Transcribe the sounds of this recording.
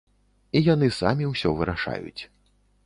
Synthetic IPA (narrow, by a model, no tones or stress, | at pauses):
ijan̪ɨsa̰mʲiwsʲɔvɨɾaʂa̰jṵt͡sʲ